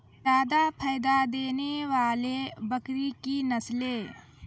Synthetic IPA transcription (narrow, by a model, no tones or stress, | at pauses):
d͡ʒaːd̪apʰaːjd̪ad̪eːneʋaːlebəkɾikinəsleː